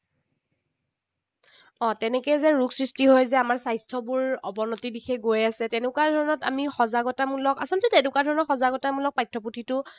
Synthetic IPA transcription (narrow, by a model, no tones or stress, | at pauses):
ɔ̃tɛnɛkɛjzɛɹuɡsɹistiɦojzɛamaɹsajstʰɔbʊɹɔ̰bɔnɔtidikʰɛɡojasɛtɛnʊkwadʱɔɹɔnɔta̰mixɔzaɡɔtamulɔkasɔntɛtɛnʊkwadʱɔɹɔnɔxɔzaɡɔtamulɔk̚pajtʰːɔputʰitʊ